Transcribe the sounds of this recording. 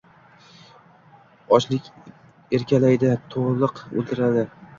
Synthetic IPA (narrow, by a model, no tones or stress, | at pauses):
ɒt͡ʃlɪkʲ | eɾkʲalajd̪at̪ʰoʁlˠɨqo̰lˠt̪ʰɪɾad̪ɪ